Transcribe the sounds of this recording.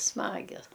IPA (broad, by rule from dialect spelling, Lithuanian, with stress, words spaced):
ˈsmɑːɡʲɛs